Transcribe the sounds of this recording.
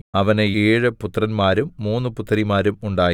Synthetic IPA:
ɐʋɐneeːɻɨput̪ːrɐnmaːɾumːuːnːɨput̪ːɐrimaːɾumuɳɖaːj

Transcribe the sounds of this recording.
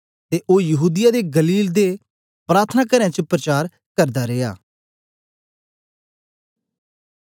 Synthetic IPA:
t̪eːʔoːjəɦuːd̪ɪjaːd̪eːɡəliːld̪e | pɾaːɾt̪ʰənaːkəɾãːt͡ʃəpɾət͡ʃaːɾ | kəɾd̪aɾeːa̰ː

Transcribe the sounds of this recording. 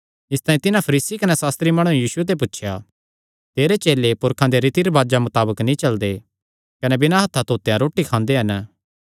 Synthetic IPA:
ɪst̪aːĩt̪ɪnãpʰɐɾiːsikɐnɛsaːst̪ɾimɐɽ̃ũjiːsuet̪̬ep̬ʊtːʃʰja | t̪eːɾet͡ʃeːlepʊɾkʰãd̪eɾɪt̪iɾbaːd͡ʒamʊt̪aːbəknĩt͡ʃɐld̪e | kɐnebɪnãɦɐt̪ʰːat̪oːt̪ejãɾoːʈːikʰãːnd̪eɦɐnə

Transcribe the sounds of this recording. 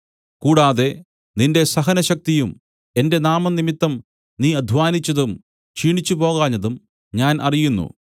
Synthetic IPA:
kuːɽaːðe̞ | ninde̞sɐɦɐnɐɕɐk̚t̪ijum | e̞nde̞naːmɐnimit̪ːɐm | niːɐd̪ʱʋaːnit͡ɕːɐðum | t͡ɕiːɳit͡ɕːupo̞ːɣaːɲːɐðum | ɲaːnʔɐrijunːṵ

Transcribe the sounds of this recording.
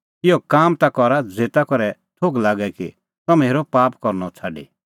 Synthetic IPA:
ɪɔkaːmt̪akɔɾad͡zeːt̪akɔɾɛ | t̪ʰoɡlaːɡɛkḭ | t̪ɔmeːɾɔpaːpkɔɾnɔt͡sʰaɖḭ

